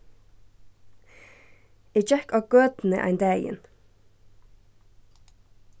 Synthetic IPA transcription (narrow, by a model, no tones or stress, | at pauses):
eːd͡ʒɛkɑːɡ̥øːd̪n̩ə̰ʔæ̰ɪnd̪æjɪ̰n